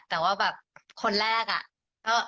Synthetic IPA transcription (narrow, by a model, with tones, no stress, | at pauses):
t̪ɛː˨˩waː˥˩bɛː˨˩p̚kʰo˧nɾɛː˥˩k̚a̰˨˩ʔ | ʔɤː˧˩